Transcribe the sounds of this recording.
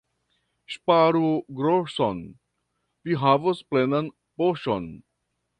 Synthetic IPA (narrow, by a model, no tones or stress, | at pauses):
ʃpaɾuɡɾosɔ̃n | ʋiɦavəsplenə̃n | poʃɔ̃n